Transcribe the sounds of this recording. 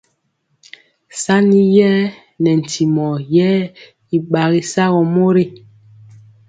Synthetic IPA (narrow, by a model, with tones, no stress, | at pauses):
sa˦ni˦jɛ˦ | nɛ˨n̩˨tʰi˨mɔ˨jɛ˦ | i˨ɓa˨ɣi˨sa˦ɣɔ˨mo˦ɾi˦